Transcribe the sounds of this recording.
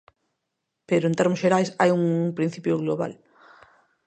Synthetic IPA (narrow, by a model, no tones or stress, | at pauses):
peɾʊẽnt̪eɾmʊsʃeɾajsajuŋpɾin̟θipjoɣloβa̰l